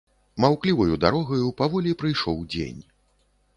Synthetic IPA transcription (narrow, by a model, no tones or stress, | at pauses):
mawklʲivɐjud̪aɾɔɣɐjupavɔlʲipɾɨjʂɔwd͡zʲḛnʲ